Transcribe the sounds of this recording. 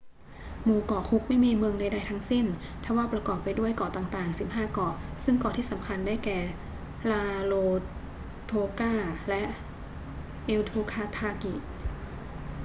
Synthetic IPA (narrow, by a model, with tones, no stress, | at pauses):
muː˧˩kɔː˨˩kʰu˦˥k̚ma˥˩jmiː˧mɯ˧əŋna˧jda˧jt̪ʰa˦˥ŋsi˥˩n | t̪ʰa˧˩waː˥˩pɾa˧kɔː˨˩pːa˧jdu˥˩əjkɔː˨˩t̪aː˨˩ŋt̪aː˨˩ŋsi˨˩p̚ɦaː˥˩kɔː˨˩sɯ˥˩ŋkɔː˨˩t̪ʰiː˥˩sa˩˦mkʰa˧ndaː˥˩jkɛː˨˩ | laː˧loː˧ | t̪ʰoː˧kaː˥˩lɛ˦˥ʔ | ʔe˧wt̪ʰuː˧kʰaː˧t̪ʰaː˧ki˨˩